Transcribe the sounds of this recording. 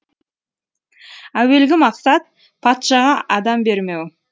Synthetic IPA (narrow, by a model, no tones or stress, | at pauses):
æwe̞lɡʲɪmɑqsɑt̪̚ | pʰɑt̪ʃɑʁɑʔɑd̪ɑmbe̞ɾme̞w